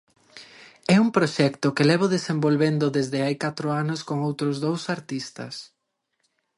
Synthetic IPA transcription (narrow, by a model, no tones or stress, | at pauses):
ɛuŋpɾoʃɛkt̪ʊkɪlɛβʊðesembolβend̪ʊðezðɪajkat̪ɾʊanʊskoŋowt̪ɾʊzðowsaɾt̪ist̪ɐ̰s